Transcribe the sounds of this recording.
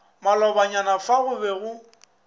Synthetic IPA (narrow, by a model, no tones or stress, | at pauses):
malɔbaɲanafaɣʊbɛɣʊ